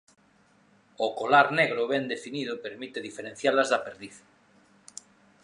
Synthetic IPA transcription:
okolaɾneɣɾoβend̪efiniðopeɾmit̪eðifeɾẽn̟θjalazðapeɾðiθḁ

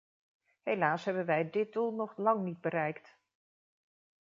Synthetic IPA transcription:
ɦejlaːsɦɛbənʋɛjdɪt̚dulˠnɔχlɑŋnid̚bəɾɛjkt

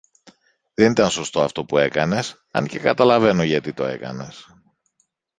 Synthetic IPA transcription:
ðenit̪ɐnso̞st̪o̞ɐft̪o̞pue̞kɐne̞s | ɐ̰nce̞kɐt̪ɐlɐve̞no̞ʝɐt̪it̪o̞e̞̰kɐ̰ne̞s

